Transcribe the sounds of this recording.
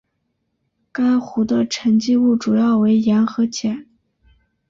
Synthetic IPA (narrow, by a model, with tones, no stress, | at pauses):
ka˥ɪxu˧˥d̪ə˧ʈ͡ʂʰə˧˥ŋt͡ɕi˥˧u˥˩ʈ͡ʂu˨˩jɑ˥˩ʊwe˧˥ɪjɛ˧˥nxɤ˧˥t͡ɕjɛ˨˩˦n